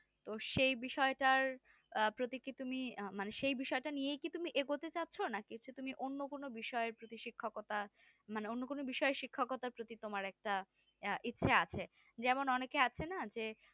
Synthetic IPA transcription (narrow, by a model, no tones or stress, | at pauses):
t̪oʃejbiʃɔeʈaɾ | pɾot̪ikit̪umimaneʃejbiʃɔeʈanijejkit̪umiʔeɡot̪et͡ɕatːɕʰonakit͡ɕʰut̪umiʔonːokonobiʃɔeɾpɾot̪iʃikʰːokɔt̪a | maneonːokonobiʃɔeʃikʰːakɔt̪aɾpɾot̪it̪omaɾɛk̚ʈa | ʔitːɕʰeat͡ɕʰe | d͡ʑɛmonɔnekeat͡ɕʰenad͡ʑe